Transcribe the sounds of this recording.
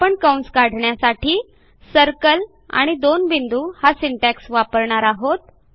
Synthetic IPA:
apəɳkawɳsɡaɽ̤ɳjasaʈʰiː | səɾkəl | a̰ɽ̃id̪onbind̪uhasiɳʈaksʋapəɾɳaɾaɦot̪̚

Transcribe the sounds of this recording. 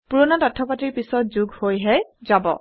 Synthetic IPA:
puɹɔnatatʰːɔpatiɹpisɔt̚zuɡhojɦɛzabɔ̰

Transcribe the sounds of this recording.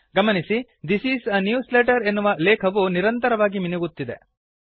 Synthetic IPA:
ɡɐmɐnisi | d̪isiːsnjuːsleːʈɐɾenːuʋɐlɛːkʰɐʋuniɾɐnt̪ɐɾɐʋaːɡiminuɡut̪ːid̪e̞̰

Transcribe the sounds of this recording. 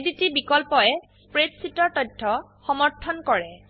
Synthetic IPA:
ditibikɔlpɔɛspɹetsitɔɹtɔdʰʱːɔ | xɔmɔɹtʰɔnkɔɹɛ

